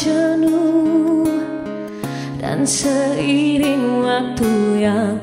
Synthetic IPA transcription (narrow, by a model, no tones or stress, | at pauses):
ənu | da̰nsəiɾiŋwak̚t̪uja